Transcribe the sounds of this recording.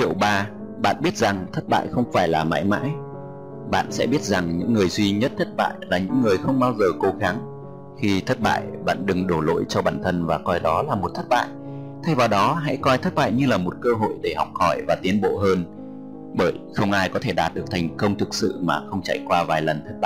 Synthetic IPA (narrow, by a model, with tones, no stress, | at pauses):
t͡ɕi˧˨əwɓaː˧ | ɓa̰ː˧˨nɓi˦˥ət̚za˨˩ŋt̪ʰə˦˥t̚ɓa̰ː˧˨jxə˧wŋ͡mfaː˧˩jlaː˨˩ma̰ː˧˥jma̰ː˧˥j | ɓa̰ː˧˨nsɛ̰˧˥ɓi˦˥ət̚za˨˩ŋɲɨ̰˧˥ŋːɨ˨˩əjzwi˧ɲə˦˥t̚t̪ʰə˦˥t̚ɓa̰ː˧˨jlaː˨˩ɲɨ̰˧˥ŋːɨ˨˩əjxə˧wŋ͡mɓaː˧wzəː˨˩ko˨˦ɣa˨˦ŋ | xi˧t̪ʰə˦˥t̚ɓa̰ː˧˨jɓa̰ː˧˨nɗɨ˨˩ŋɗo˧˩lo̰˧˥jt͡ɕɔ˧ɓaː˧˩nt̪ʰə˧nvaː˨˩kɔ˧jɗɔ˨˦laː˨˩mo˨˩t̚t̪ʰə˦˥t̚ɓa̰ː˧˨j | t̪ʰa˧jvaː˨˩wɗɔ˨˦ɦa̰˧˥jkɔ˧jt̪ʰə˦˥t̚ɓa̰ː˧˨jɲɨ˧laː˨˩mo˨˩t̚kəː˧ɦo̰˧˨jɗe˧˩hɔ˨˩wk͡p̚hɔ˧˩jvaː˨˩t̪i˨˦ənɓo̰˧˨ɦəː˧n | ɓəː˧˩jxə˧wŋ͡mʔaː˧jkɔ˨˦t̪ʰe˧˩ɗaː˨˩t̚ɗɨ˨˩ək̚t̪ʰjŋ̟kə˧wŋ͡mt̪ʰɨ˨˩k̚sɨ̰˧˨maː˨˩xə˧wŋ͡mt͡ɕa̰˧˩jkwaː˧vaː˨˩jlə˨˩nt̪ʰə˦˥t̚ɓa̰ː˧˨